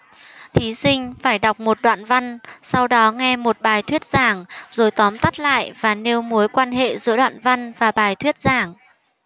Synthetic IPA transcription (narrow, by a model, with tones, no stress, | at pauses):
t̪ʰi˨˦sï˧ŋ̟faː˧˩jɗa˨˩wk͡p̚mo˨˩t̚ɗwa̰ː˧˨nva˧nsa˧wɗɔ˨˦ŋɛ˧mo˨˩t̚ɓaː˨˩jt̪ʰwi˦˥ət̚z̥aː˧˩ŋzo˨˩jt̪ɔ˨˦mt̪a˦˥t̚la̰ː˧˨jʔvaː˨˩ne˧wmu˨˦əjkwaː˧nɦḛ˧˨zɨ̰˧˥əɗwa̰ː˧˨nva˧nvaː˨˩ɓaː˨˩jt̪ʰwi˦˥ət̚zaː˧˩ŋ